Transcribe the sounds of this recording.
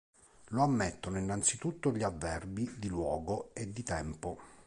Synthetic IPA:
loamːet̪ːonoinːant̪sit̪ut̪ːoʎiavːɛrbid̪ilwɔːɡoed̪ːit̪ɛmpo

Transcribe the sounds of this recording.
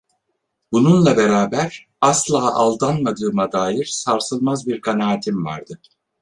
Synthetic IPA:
bununlˠabeɾaːbæɾ | aslˠaːʔalˠd̪anmad̪ɯːmad̪aːjiɾ̥saɾsɯlˠmazbiɾkʰanaːt̪ʰimva̰ɾd̪̥ɯ

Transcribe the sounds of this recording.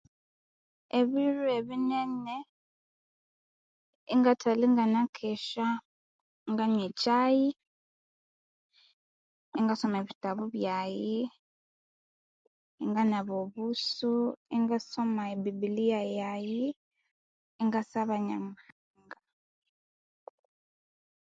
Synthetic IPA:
eβiɾueβinene | iŋɡatʰaliŋɡanakʰeʃa | ŋɡaɲwet͡ʃaji | iŋɡasomaeβitaβuβjaji | iŋɡanaβoβusuiŋɡasomaebibilijajaji | iŋɡasaβaɲamu | ŋɡa

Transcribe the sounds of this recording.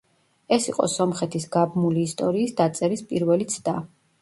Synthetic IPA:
ɛsiqʼɔ̰sɔmχɛt̪ʰisɡabmuliːst̪ʼɔɾiːsd̪at̪sʼɛɾispʼiɾvɛlit̪sʰd̪a

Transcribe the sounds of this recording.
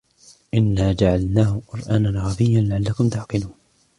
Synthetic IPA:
ʔɪnːaːd͡ʒaʕalnaːhʊqʊɾʔaːnanɣɑðɪjːanlaʕalːakʊmt̪aʕqɨluːn

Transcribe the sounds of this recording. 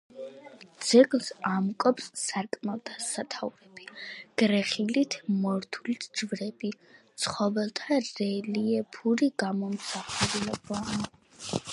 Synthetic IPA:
d̪z̥ɛɡlˠsamkʼɔpsːaɾkʼmɛlˠt̪ʰasat̪ʰavɾɛb̥iɡ̥ɾɛχilit̪ʰmɔɾt̪ʰulit̪ʰd͡ʒvɾɛbi | t̪sʰχɔvɛlˠt̪ʰaɾɛliɛpʰuɾiɡ̥amɔmsaχuɾulɛba

